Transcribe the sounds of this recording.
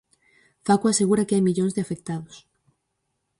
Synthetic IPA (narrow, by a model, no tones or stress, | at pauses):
fakuaseɣuɾakeajmiʎonzðeafek̚t̪aðos